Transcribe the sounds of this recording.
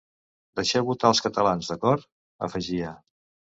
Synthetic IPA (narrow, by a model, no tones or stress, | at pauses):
d̪əʃɛβut̪aːlˠskət̪əlanzðəkɔɾt̪ | ə̰fəʒiə